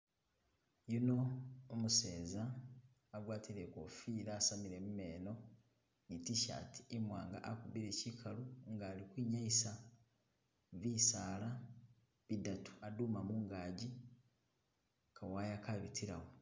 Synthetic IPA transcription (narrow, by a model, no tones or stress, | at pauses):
juno̞ːmuseːzaː | ɡwaːtiɾekofiːɾaːsamiɾe̞mume̞ːno̞ | ɡitiʃa̰ːti̥imwaːŋɡa̰ʔakuβiɾe̞cikʰaluŋɡaːlikwiːɲaisa | βisaːla | βidatʰu̥aduːmamuːŋɡaːɟi | kʰawaːjakaβitʰiɾa̰wo